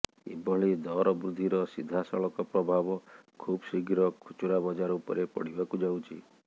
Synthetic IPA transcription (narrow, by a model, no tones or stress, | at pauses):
ḭbɔɭid̪ɔɾɔbɾud̪ʱːiɾɔsid̪ʱasɔɭɔkɔpɾɔbʱabɔkʰubsiɡɾɔkʰut͡ʃuɾabɔd͡ʒaɾɔupɔ̰ɾepɔ̰ɽ̤ibakud͡ʒawt͡ʃʰi